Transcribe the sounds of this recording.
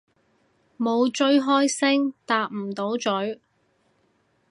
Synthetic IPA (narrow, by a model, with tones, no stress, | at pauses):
mo˨˧wt͡ʃɵ˧˥ɥɦɔː˥jsɪ˥ŋt̪aː˧k̚m̩˨˩t̪o˨˥wt͡ʃɵ˨˥ɥ